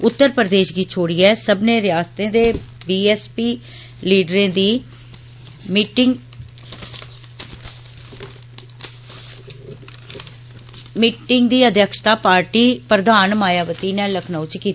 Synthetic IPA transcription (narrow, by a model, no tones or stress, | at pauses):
ʊt̪ːəɾpɾəd̪eːʃɡiːt͡ʃʰoːɽiːɛːsəbneːɾɪjaːst̪ẽːd̪eːbiːɛːspiː | liːɖɾẽːd̪iː | miʈɪŋ | miːʈɪŋɡd̪iːəd̪jəkʃt̪aːpaːɾʈiːpɾəd̪aːnmaːjaːʋət̪iːnɛːləkʰnaːũt͡ʃkiː